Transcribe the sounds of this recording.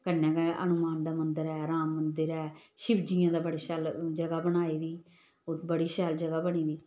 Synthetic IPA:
kənːɛ̃ːkɛʔə̰nʊmaːnd̪aːmənd̪əɾɛːɾaːmːənd̪əɾɛːʃɪbd͡ʒijãːd̪aːbəɽaːʃɛːld͡ʒəɡaːbənaːiːd̪iː | ʊbəɽiːʃɛːld͡ʒəɡaːbəɳiːd̪iː

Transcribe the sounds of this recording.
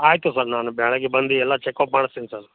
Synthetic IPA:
aːjt̪usəɾnaːnubʱjaːɭaɡebɐnd̪iɛlːat͡ʃekɔːpmaːɽsinsɐɾ

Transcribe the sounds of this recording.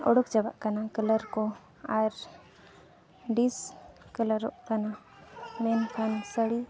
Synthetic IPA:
ɔ̰ɽɔkd͡ʒaba̰ʔkanakələɾkɔ | aɾ | ɖiskələɾɔʔkana | mɛnkʰansəɽi

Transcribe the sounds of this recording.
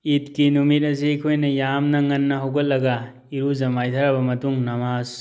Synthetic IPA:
it̚kinumit̚ɐsiɐkʰojnɐjamnɐŋɐnːɐɦɐwɡɐt̚lɐɡɐ | iɾuzɐmajtʰɐɾɐbɐmɐtuŋnɐmaz

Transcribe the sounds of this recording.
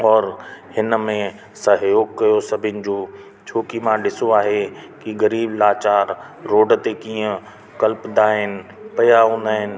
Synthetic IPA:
ɔːɾhɪnmẽ | sɐɦjoːɡ̚kɐjosɐbʱɪnɪ̆d͡ʑoː | t͡ɕʰoːkimãɗɪsoaːɦekiɣɐɾiːblaːt͡ɕaːɾː | oːɖt̪ekiːə̃ | kɐlpd̪aːɦɪnɪ̆pɐjaɦõːnd̪aːɦɪnɪ̆

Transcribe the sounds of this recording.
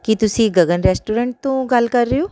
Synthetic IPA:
kit̪ʊsĩːɡɐɡənɾɛːsʈuːɾẽːɳʈt̪õɡɐlkɐɾːejoː

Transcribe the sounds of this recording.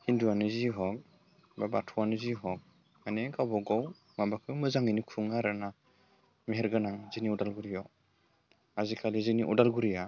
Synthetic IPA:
hinduanɯziɦɔk̚ | babatʰuanɯziɦɔk̚ | aneɡabɔɡɔw | mabakʰɯmɯzaŋinikʰuŋaɾɯna | meɦeɾɡɯnaŋziniudalɡuɾijɔ | azikʰaliziniʔṵdalɡuɾija

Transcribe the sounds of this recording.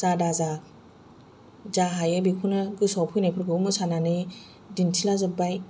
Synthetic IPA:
z̥adaza | zaɦajebikʰunɯɡɯsɔwpʰɯjnajpʰɯɾɡɯumɯsananɯ | dintʰilazɯbaj

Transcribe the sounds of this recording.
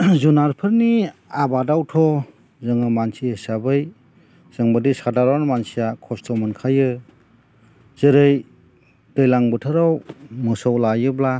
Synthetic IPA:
zunaɾpʰɯɾniabadawtʰɔ | zɯŋɯmansiesabɯj | z̥ɯŋbadisadaɾanmansijakʰɔstʰɔmɯnkʰajɯ | z̥ɯɾɯj | d̥ɯjlaŋbɯtʰɯɾawmɯsawlajɯbla

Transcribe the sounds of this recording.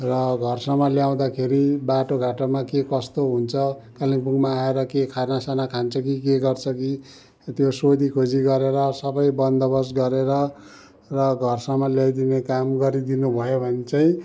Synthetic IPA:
rʌɡʱʌrsʌmʌljaw̃d̪akʰeɾibaʈoɡʱaʈʌmakekʌst̪oɦunt͡sʰʌkaliŋpuŋmaːeɾʌkekʰarnasanakʰant͡sʰʌk̬ikeɡʌrt͡sʰʌki | t̪josod̪ikʰod͡ziɡʌɾeɾʌsʌbʌjbʌnd̪ʌbʌs̬ɡʌɾeɾʌ | rʌɡʱʌrsʌmʌljajd̪inekamɡʌɾid̪inubʱʌjobʱʌnt͡saĩ

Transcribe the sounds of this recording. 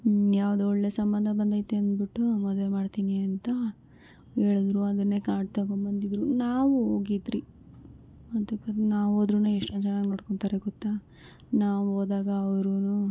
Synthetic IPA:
jaːʋɐd̪uɔɭːe̞sɐmbɐnd̪ʱɐbɐnd̪ʱajit̪ːeɐnd̪biʈːumɔd̪ʋe̞maːɖt̪iːniɐnt̪ɐ | heːɭud̪ɾuɐd̪ɐɾnːe̞ːkaːɖt̪akoɳbɐnd̪id̪ɾunaːʋuoːɡid̪ɾi | ɐt̪ukːɐnaːʋoːd̪ɾunueʂʈont͡ʃɐnaɡnoːɽkoɳt̪aɾeɡɔt̪ːa | naːʋuɦoːd̪aːɡɐːʋɐɾunu

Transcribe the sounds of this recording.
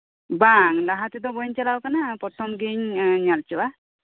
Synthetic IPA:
baŋlaɦat̪id̪ɔbɔjɲt͡ʃalawkanapɾɔt̪ʰɔmɡiɲɲalt͡ʃiwa

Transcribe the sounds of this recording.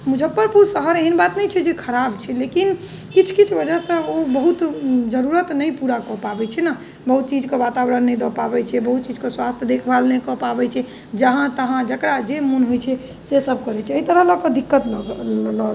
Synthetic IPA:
mud͡ʒʱəpːəɾpuɾsəɦəɾeinbat̪nɛjt͡ʃʰɛd͡ʒekʰəɾab̚t͡ʃʰɛlekin | kit͡ʃʰkit͡ʃʰbəd͡ʒəɦsə̃obəɦut̪d͡ʒəɾuɾət̪nəjpuɾakɔpabɛt͡ʃʰɛna | bəɦut̪̚t͡ʃid͡ʒkebat̪abɾənːɛjd̪ɔpabɛt͡ʃʰɛbəɦut̪̚t͡ʃid͡ʒkeswast̪ʰjəd̪ekʰbalnekɔpabɛt͡ʃʰɛ | d͡ʒəɦãt̪əɦãd͡ʒəkɾad͡ʒemunɦojt͡ʃʰɛ | sesəbʱkəɾɛt͡ʃʰɛəit̪əɾələkəd̪ikːət̪ɡlɔl

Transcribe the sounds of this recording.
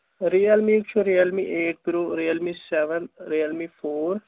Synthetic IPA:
ɾiəlmikt͡ʃʰoɾiəlmiʔeːʈ̚t̪ɾoɾiəlmisɛʋənɾiːəlmifʰoːɾ

